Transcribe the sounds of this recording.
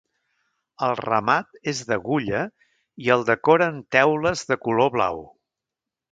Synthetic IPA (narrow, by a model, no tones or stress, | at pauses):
əlˠrəmat̪ezðəɣuʎə | iəlˠd̪əkɔɾəːnt̪ɛwləzðəkuloβla̰w